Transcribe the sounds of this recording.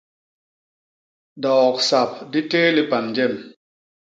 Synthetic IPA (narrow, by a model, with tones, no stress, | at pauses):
dɔː˨k̚sa˨p̚di˦tɛː˦li˦pa˨nd͡ʒɛ˦˨m